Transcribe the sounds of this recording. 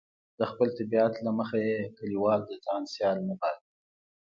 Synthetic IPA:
d̪əxpəlt̪ɪbiat̪laməxajekəliwɑld̪ət̪ɑnsjɑlnabɑl

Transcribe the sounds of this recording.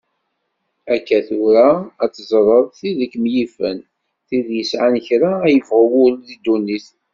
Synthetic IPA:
ækːæθʊɾaːt͡sːzˤɾˤəðˤθiðəkːmjifən | θiðjəsʕançɾajəvʁəwʊɾðid̪unːiθ

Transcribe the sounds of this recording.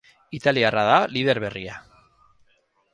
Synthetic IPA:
it̪aliaraðaliðe̞ɾβe̞ria

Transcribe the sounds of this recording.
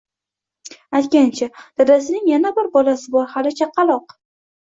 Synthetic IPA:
ajt̪̚kʲant͡ʃʰad̪̥ad̪asɪnɪŋjanabɪɾbɒlasɪbɒɾhalɪt͡ʃʰaqːɑlˠɒq

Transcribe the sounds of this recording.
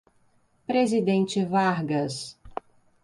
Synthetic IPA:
pɾezid̪ẽnt͡ʃɪvaɾɡɐs

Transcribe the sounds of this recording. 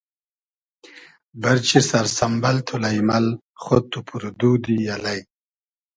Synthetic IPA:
baɾt͡ɕisaɾsambalt̪ʰulajmal | χot̪upuɾd̪ud̪ijalaj

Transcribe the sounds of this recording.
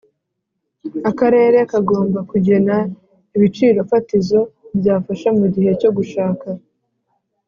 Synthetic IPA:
akaɾe̞ːɾe̞kaɡo̞ːmbakuɟe̞na | iβit͡ʃiːɾo̞fatizo̞bjaːfaʃamuɟihe̞co̞ɡuʃaːka

